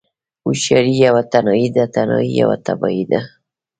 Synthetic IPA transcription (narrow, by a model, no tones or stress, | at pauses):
uʃaɾijawat̪anɔid̪at̪anɔ̰ija̰wa̰t̪abɔid̪a